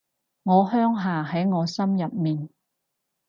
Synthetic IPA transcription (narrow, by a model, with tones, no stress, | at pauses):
ŋɔː˨˧hœː˥ŋɦaː˨˩ɦɐ˨˥jŋɔː˨˧sɐ˥mjɐ˨p̚miː˨n